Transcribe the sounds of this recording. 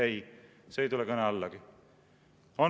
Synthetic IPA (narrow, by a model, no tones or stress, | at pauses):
ej | seːjt̪ulɛkɤneɑlːɑɡ̥i | o